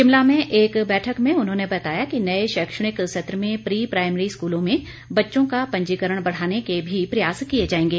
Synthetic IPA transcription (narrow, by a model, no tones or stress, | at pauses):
ʃɪmlamẽʔeːkbɛːʈʰəkmẽʊnɦõnebɐt̪aːjakinɐeʃɛkʃəɽ̃ɪkʃet̪ɾəmẽpɾiːpɾaːɪmɾiskuːlõmẽ | bɐtːʃõkapɐ̃ɲd͡ʒiːkəɾəɽ̃bɐɽ̤aːnekebʱipɾɐjaːskied͡ʒaːẽːŋɡeː